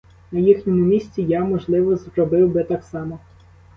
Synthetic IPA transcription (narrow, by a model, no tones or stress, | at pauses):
nɐjixnʲɔmʊmʲisʲt͡sʲijamɔʒlˠɪʋɔzrɾɔbɪwbɪt̪ɑksɑmɔ